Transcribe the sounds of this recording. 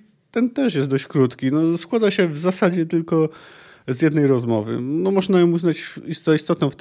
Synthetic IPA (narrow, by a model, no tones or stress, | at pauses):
t̪ɛnt̪ɛʂjɛst̪d̪ɔɕt͡ɕkɾut̪kʲinɔskwad̪aɕɛvzasad͡ʑɛt̪ɘlkɔ | zʲjɛd̪nɛjɾɔzmɔ̰vɘ̰nɔmɔʐnajɔ̃wuznat͡ɕist̪ist̪ɔt̪nɔ̃w̃ft̪